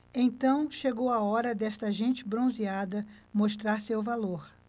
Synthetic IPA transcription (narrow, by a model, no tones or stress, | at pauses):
ẽt̪ɐ̃w̃ʃeɡowaɔɾɐd̪ɛst̪ɐʒẽt͡ʃɪbɾõziad̪ɐmost̪ɾaɾsewvaloɾ